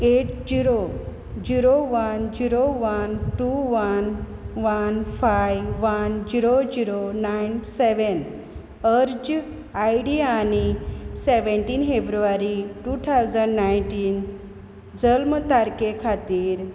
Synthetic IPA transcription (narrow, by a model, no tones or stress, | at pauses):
eʈd͡ʑiɾo | d͡ʑiɾoʋənd͡ʑiɾoʋənʈuʋən | ʋənfajʋənd͡ʑiɾod͡ʑiɾonajnseʋən | əɾd͡ʑ | ajɽianiseʋeɳʈiːnfebɾuʋaɾiʈut̪ʰawd͡zəɳɖnajɳʈiːn | d͡zəlmt̪aɾkekʰat̪iːɾ